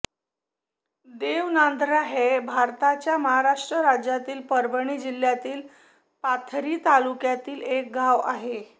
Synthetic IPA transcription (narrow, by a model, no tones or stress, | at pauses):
d̪eʋnand̪ʱɾaɦebʱaɾt̪at͡ɕjaməɦaɾaʂʈɾəɾad͡ʑjat̪iːlpəɾbəɳ̃iːd͡ʑil̤ːjat̪iːl | pat̪ʰɾiːt̪alukjat̪iːlek̚ɡaʋa̰ɦe